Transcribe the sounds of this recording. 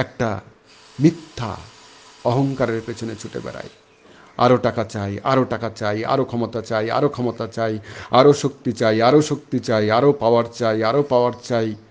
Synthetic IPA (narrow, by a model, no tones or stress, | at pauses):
ɛk̚ʈa | mit̪ʰːa̰ | ɔɦɔŋkaɾɔɾepet͡ʃʰɔnet͡ʃʰuʈḛba̰ɾa̰j | a̰ɾoʈakat͡ʃajaɾoʈakat͡ʃaja̰ɾokʰɔmɔt̪at͡ʃaja̰ɾokʰɔmɔt̪at͡ʃajaɾoʃokt̪it͡ʃajaɾoʃok̚t̪it͡ʃaiaɾopawaɾt͡ʃajaɾopawaɾt͡ʃaj